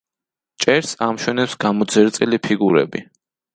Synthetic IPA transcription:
t͡ʃʼɛɾsamʃwɛnɛpsɡamɔd̪zɛɾt̪sʼilipʰiɡuɾɛ̰bi

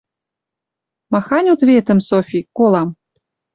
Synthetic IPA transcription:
mɑxɑnʲut̪βʲet̪ə̆msofʲikolˠɑm

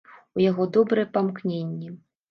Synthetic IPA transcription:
ujaɣɔd̪ɔbɾɨjɛpamknʲenʲːɛ

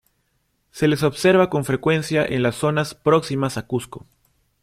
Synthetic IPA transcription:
se̞leso̞βseɾβako̞ɱfɾe̞kwe̞nsjaʔḛnlasːo̞naspɾo̞ksimasakusko̰

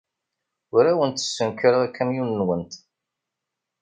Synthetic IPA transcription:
ʊɾæwənt̪ːə̥sːənkəɾəækːæmjunːwənt̪

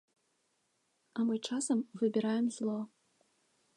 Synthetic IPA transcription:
amɨt͡ʂasɐmvɨbʲiɾajɛmzlˠɔ

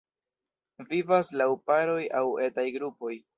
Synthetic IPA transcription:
vivaslawpaɾo̞jawe̞tajɡɾupo̞j

